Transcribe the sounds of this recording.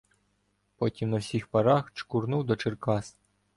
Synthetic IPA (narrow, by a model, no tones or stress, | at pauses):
pɔtʲimnɐwsʲixpɐɾaxt͡ʃkurnuwd̪ɔt͡ʃɪrkas